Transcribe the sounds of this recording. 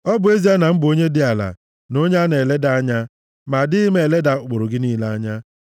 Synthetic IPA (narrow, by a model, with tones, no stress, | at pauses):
ɔ˦bʊ˨e˦zi˦a˦na˨m̩˦bʊ˨o˦ɲe˦dɪ˦a˨la̰˨ | no˦ɲ˦a˦ne˨le˦da˦a˦ɲa˦ | ma˨dɪ˦ɪ˦me˨le˦da˨k͡po˨ɾʊ˨ɡɪ˦niː˦la˦a˦ɲa˦